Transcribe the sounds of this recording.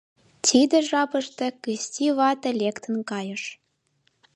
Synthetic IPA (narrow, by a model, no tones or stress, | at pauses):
tʲid̪ə̆ʒɑpɤ̆ʃt̪ĕkɘstʲiβɑt̪ĕlʲekt̪ə̆nkɑjə̆ʃ